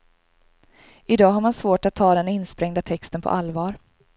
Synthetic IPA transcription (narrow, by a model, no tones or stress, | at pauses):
ɪd̪ɑːɦaɾmansvoːʈat̪ʰːɑːd̪ɛnɪnːspɾɛŋd̪at̪ʰɛkst̪ənpʰɔ̰ʔalvɑːɾ